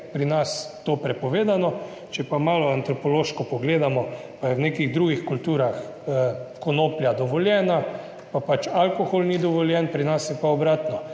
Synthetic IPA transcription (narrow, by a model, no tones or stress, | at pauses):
pɾinast̪oːpɾɛpɔʋeːd̪anɔ | t͡ʃɛpamaːlɔant̪ɾɔpɔloːʃkɔpɔɡleːd̪amɔ | pajɛwneːkiɣd̪ɾuɡixkult̪uːɾax | kɔnoːpljad̪ɔʋɔljɛːna | papat͡ʃalkoxolnid̪ɔʋɔljɛnpɾinasjɛpaɔbɾaːt̪nɔ